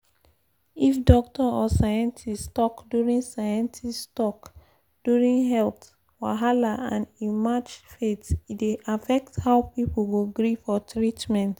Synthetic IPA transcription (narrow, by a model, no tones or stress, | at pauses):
ifdɔk̚tɔɔsajɛ̃ntʰistɔkduɹĩnsajɛ̃ntʰistɔk | d̥uɹĩnɦɛlt | waɦalaʔãnimad͡ʒfetitdeʔafɛk̚thaʊpipl̩ɡoɡɹifɔtɹitmɛ̃nt